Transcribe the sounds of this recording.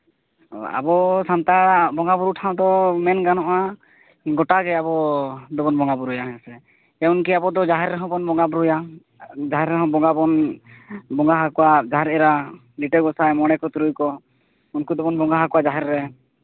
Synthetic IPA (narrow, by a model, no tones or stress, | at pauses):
a̰bɔsant̪aɽabɔŋabuɾuʈʰaw̃d̪ɔmɛnɡanɔʔa | ɡɔʈaɡɛabɔd̪ɔbɔnbɔŋɡabuɾujaɦɛsɛ | ɛunkiabɔd̪ɔd͡ʒaɦɛɾɾɛɦɔ̃bɔnbɔŋɡabuɾuja | d͡ʒaɦɛɾɛɦɔ̃bɔŋɡabɔn | bɔŋɡaɦakɔwad͡ʒaɦɛɾɛɾa | liʈɛɡɔsajmɔɽ̃ɛkɔt̪uɾujkɔ | unkud̪ɔbɔnbɔŋɡaɦakɔwad͡ʒaɦɛɾːɛ